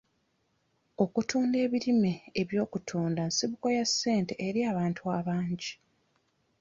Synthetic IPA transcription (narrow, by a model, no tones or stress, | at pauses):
o̞kutʰuːnde̞ːβiɾimeːβjo̞ːkutʰuːndansiβuko̞jasːe̞ːnte̞ʔeɾiaːβaːntʰuaːβaːɲɟi